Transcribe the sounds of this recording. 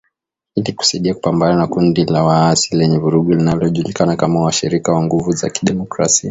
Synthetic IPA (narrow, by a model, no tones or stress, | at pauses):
iliku̥saiɗiaku̥pambananakundilawaasilɛɲɛvuɾuɠɔlinalɔʄulikanakamawaʃiɾikawaŋɡuvuza̰ki̥ɗɛmɔkɾa̰sia